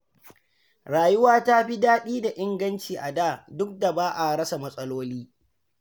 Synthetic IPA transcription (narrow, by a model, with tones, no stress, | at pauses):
ɾaː˨jʊ˦waː˦ta˦ɸi˦daː˦ɗiː˦da˨ʔɪ˦ŋɡɐ˦nt͡ʃiː˨ʔa˨daː˦˨dʊ˦k̚da˨baː˦ʔa˨ɽɐ˦sa˨mɐ˦sʼɐ˦loː˦liː˦